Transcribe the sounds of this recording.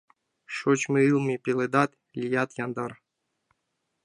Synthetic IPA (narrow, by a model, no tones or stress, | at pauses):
ʃot͡ɕmɨɨlˠmipʲelˠed̪ɑt̪ | lʲijɑt̪jɑnd̪ɑɾ